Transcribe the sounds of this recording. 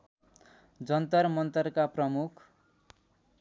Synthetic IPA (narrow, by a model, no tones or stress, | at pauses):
d͡zʌnt̪ʌrmʌnt̪ʌrkaprʌmukʰ